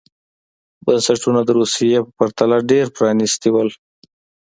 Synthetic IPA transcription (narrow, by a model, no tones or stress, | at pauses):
bənsaʈunad̪əɾusijepəpaɾt̪alaɖeɾpɾɑnist̪iwəl